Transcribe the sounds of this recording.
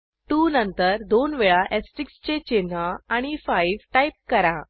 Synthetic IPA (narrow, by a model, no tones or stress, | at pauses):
t̪unənt̪əɾd̪onʋeɭaʔesʈɾikst͡ɕet͡ɕen̤əaɽ̃ifaiʋʈajp̚kəɾa